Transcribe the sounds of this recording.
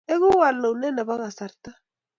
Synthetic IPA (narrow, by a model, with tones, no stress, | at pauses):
e˦ɣu˦wa˨lːa˨ne˦na˨βa˦ɣa˨sa˨ɾt̪a˦